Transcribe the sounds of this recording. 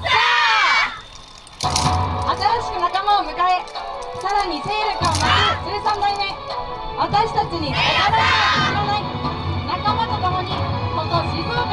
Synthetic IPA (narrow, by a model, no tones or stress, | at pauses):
at̪aɾaɕi̥kɯ̟nakamaomɯ̟kae̞saɾaɲ̟iseːɾekãnaseːsãnd̪ainã | βat̪aɕi̥t̪at͡ɕiɲikaɾaɾaaiɾonai | nakamat̪o̞t̪omo̞ɲ̟ikot̪ːod͡ʑibɯ